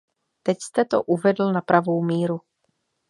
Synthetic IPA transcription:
t̪ɛcst̪ɛt̪o̰ʔuvɛdl̩napɾavo̞wmiːɾu

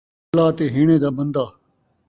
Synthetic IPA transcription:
laːt̪eːɦiːɳẽːd̪aːbənd̪aː

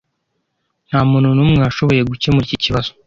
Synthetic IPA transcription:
n̥haːmuːnunuːmŋaːʃo̞βo̞je̞ɡuce̞muɾiciciβaz̥o

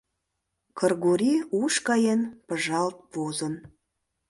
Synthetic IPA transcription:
kərɣoɾʲiuʃkɑjenpəʒɑlt̪̚pozə̆n

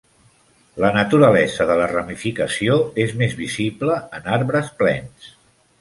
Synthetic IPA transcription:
lənət̪uɾəlɛzəðələrəmifikəsioezmezβizibləənaɾβɾəsplɛ̰ns

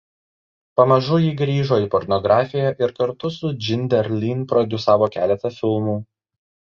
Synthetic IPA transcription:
pɐmɐʒʊjiːɡɾʲiːʒoːiːˑpɔɾnɔɡɾɑːfʲɪjæʔɪɾkɐɾt̪ʊsʊd͡ʒʲɪnʲd̪ʲɛɾʲlʲinpɾɔd̪ʲʊsɑːʋoːkʲæ̰ːlʲɛt̪ɐfʲɪlˠmuː

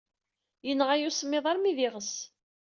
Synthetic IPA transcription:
jənːəʁæjusmːeðˤɑɾmiðɪʁəs

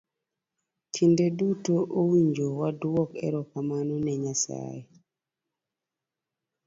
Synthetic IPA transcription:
tʰindedutoʔowiɲd͡ʒowadwɔkɛ̰ɾɔkamanɔnɛɲasa̰je

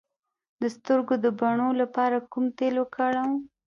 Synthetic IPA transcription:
d̪əst̪əɾɡod̪əbaɳolapɑɾakumt̪elokaɽaw

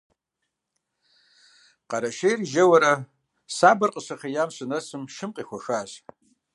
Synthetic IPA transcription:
qʼaɾaʃejrʒɐwaɾa | sabɨrqʼəʂʷaχajamʃʷʰʼɨnɐsʰɨmʃɨmqʼixʷaʂaʒ

